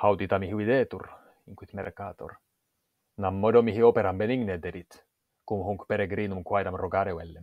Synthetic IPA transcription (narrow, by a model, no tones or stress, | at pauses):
hawt̪it̪ɑmiɦiwid̪eːt̪ṵr | iŋkwit̪mḛrkaːt̪o̰r | namːod̪omiɦiopeɾambeniŋned̪eɾit̪ | kumɦuŋkpeɾeɡɾiːnumkwajdamroɡaɾewelːe